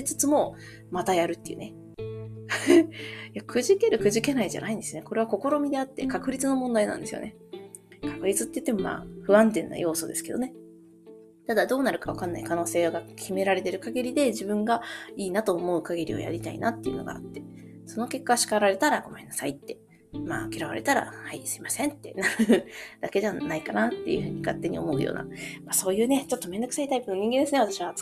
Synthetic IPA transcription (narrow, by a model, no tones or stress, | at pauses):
t͡sɨ̥t͡sɨmo̞ | mat̪ajaɾɯ̟t̪ːeiɯ̟ne | jakɯ̟ʑike̞ɾɯ̟kɯ̟ʑike̞naiʑa̰naĩnd̪esɨone̞ko̞ɾe̞βako̞ko̞ɾomʲid̪e̞at̪ːe̞kakɯ̟ɾʲit͡sɨno̞mõnd̪ainã̰nd̪e̞sɨjo̰ne̞ | kḁkɯ̟ɾʲit͡sɨt̪ːeiɯ̥t̪ːemo̞ma̰ːɸɯ̟βãnt̪̬ẽ̞nːa̰jo̞ːso̞d̪e̞sɨ̥ke̞d̪o̞ne̞ | t̪ad̪ad̪o̞ːnaɾɯ̟kaβakanːa̰ikano̞ːse̞ːɡakʲime̞ɾaɾe̞t̪e̞ɾɯ̟kaɡʲiɾʲid̪e̞ʑibɯ̟̃ŋɡaiːnat̪o̞ːmo̞ɯ̟kaɡʲiɾʲḭo̰ja̰ɾʲit̪aḭnat̪ːejɯ̟no̰ɡa̰ːt̪ːe̞̥ | so̞no̞ke̞kːaɡɕi̥kaɾaɾe̞t̪aɾaɡ̥o̞mẽ̞nːasait̪ːe̞ | ma̰ːkʲiɾaβa̰ɾe̞̰t̪aɾa̰haisɨ̥imasẽ̞nt̪ːe̞̰naɾɯ̟d̪̥ake̞d̪eβanaikanat̪ːejɯ̟ɸɯ̟ːɲ̟ikat̪ːe̞ɲ̟ḭomo̞ɯ̟̰jo̰ːna̰maːso̞ːjɯ̟ːne̞t͡ɕo̞t̪ːo̞mend̪ok̟sait̪aipɯ̟no̞ɲ̟ĩŋɡend̪esɨneat̪aɕiβa